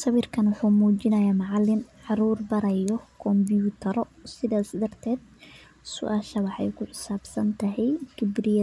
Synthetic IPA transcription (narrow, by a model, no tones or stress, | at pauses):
sɐβirkʰɐnwɑħuːmuːt͡ʃɪnɐjaːmɑʕɑlːɪnʕɑɾuːrbɐɾɐjɔkʰɔmbjuːt̪ʰɐɾɔ | sɪðaːsd̪ɐrt̪ʰɛːd̪̚ | sʊ̰ʔaːʃɐwɑħɑ̰jkʰʊħɪsaːbsɐnt̪ʰɐɦɛjɡɪbrɪjɐ